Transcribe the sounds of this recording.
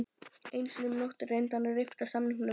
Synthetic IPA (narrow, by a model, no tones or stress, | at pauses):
ejnsɔnʏmnowht̪ʏrːejnt̪anarɪft̪asamnɪŋnːʏ